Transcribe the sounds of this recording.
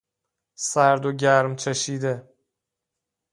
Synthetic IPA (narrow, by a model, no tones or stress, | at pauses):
sæɾd̪oɟæɾmt͡ʃʰeʃiːd̪e